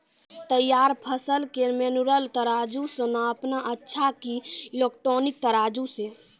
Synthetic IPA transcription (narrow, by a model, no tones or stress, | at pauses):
t̪əjːaɾpʰəsəlkemenuɾəlt̪əɾad͡ʒusə̃naəpnaʔətːʃʰakilekʈonik̚t̪əɾad͡ʒuse